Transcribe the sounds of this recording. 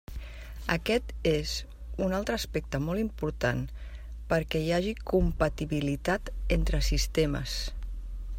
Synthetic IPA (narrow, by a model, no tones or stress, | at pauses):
əkɛt̪ez | unalˠt̪ɾəːspɛk̚t̪əmɔlˠimpuɾt̪an | pəɾkɛjaʒikumpət̪iβilit̪at̪ent̪ɾəsist̪emə̰s